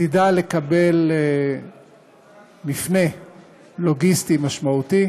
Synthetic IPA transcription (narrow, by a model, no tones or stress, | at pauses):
idale̞kabe̞l | mifne̞ | lo̞ɡist̪imaʃmaut̪i